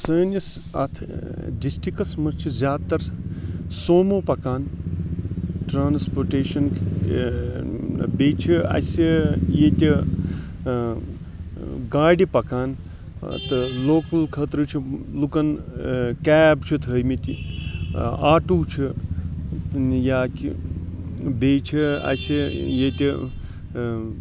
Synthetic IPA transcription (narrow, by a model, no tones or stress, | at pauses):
səːnis | ɐ̰t̪ʰ | disʈikɐsmɐt͡ʃʰizʲaːd̪t̪ɐɾ | soːmoːpɐkaːn | ʈɾaːnspoɾʈeːʃɐn | beːt͡ʃʰiɐ̰sijeːt̪ʲi | ɡaːɖipɐkaːn | t̪ɨloːkɐlkʰɐt̪ɾɨt͡ʃʰilukɐnkɛːbt͡ʃʰit̪ʰəjmit̪i | aːʈuːt͡ʃʰi | jaːki | beːt͡ʃʰia̰sijet̪ʲi